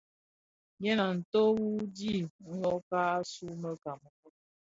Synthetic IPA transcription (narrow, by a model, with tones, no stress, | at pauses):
jɛ˦na˨n̩˨to˦wu˦di˦˨ŋ̩˦lɔ˦ka˦a˦su˦mə˦ka˨mə˨˦